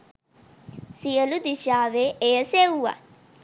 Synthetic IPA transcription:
sijəlud̪iʃaːʋeʔejəsewuːa̰

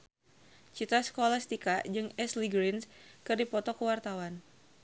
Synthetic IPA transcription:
t͡ʃit̪askolast̪ikad͡ʒɨŋɛsliɡɾinskɨrdipɔt̪ɔkəwart̪awan

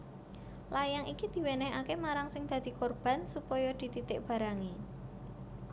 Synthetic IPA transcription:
lajaŋikid̪̥i̤wenɛɦa̰kemaɾaŋsɪŋd̪̥a̤d̪̥i̤kɔrb̥a̤nsupɔjɔd̪̥i̤t̪it̪ɪʔb̥a̤ɾaŋi

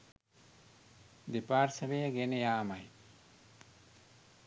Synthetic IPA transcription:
d̪epaːɾsɐʋejəɡenejaːmaj

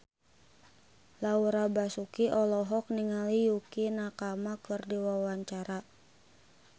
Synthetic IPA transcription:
lauɾabasukiʔɔlɔɦɔk̚niŋalijukinakamakɨrdiwawaɲt͡ʃaɾa

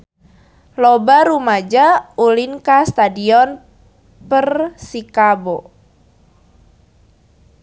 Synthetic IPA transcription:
lɔbaɾumad͡ʒaulinkast̪adiɔn | pərsikabo

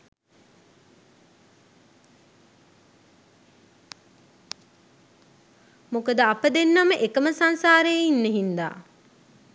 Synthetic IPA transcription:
mukəd̪əapəd̪enːaməʔekəməsansaːɾejinːeɦind̪a̰ː

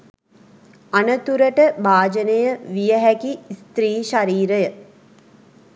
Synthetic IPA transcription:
anət̪uɾəʈəbaːd͡ʒənəjəʋijəɦækist̪ɾiːʃaɾiːɾəjə

